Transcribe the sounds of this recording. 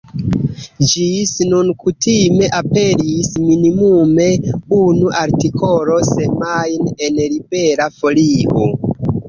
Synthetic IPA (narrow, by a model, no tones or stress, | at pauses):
d͡ʒisnunkutime̞ʔape̞ɾisminimume̞unuʔaɾtikʰo̞lo̞semajnenlibe̞ɾafo̞lio̞